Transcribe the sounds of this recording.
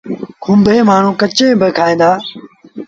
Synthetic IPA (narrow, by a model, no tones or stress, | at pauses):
kʰʊmbʱẽːmaːɳ̤ũːkət͡ʃẽːbəkʰaːĩːnd̪aː